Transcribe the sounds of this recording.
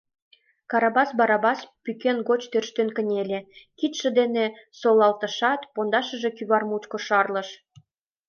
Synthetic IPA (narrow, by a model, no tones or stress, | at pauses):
kɑɾɑbɑsbɑɾɑbɑspykenɡot͡ɕt̪ørʃt̪ønkə̆nʲelʲĕkit̪ʃə̆d̪enĕsolɑlt̪ə̆ʃɑt̪pond̪ɑʃə̆ʒĕkyβɑrmut͡ɕkŏʃɑrlɤ̆ʃ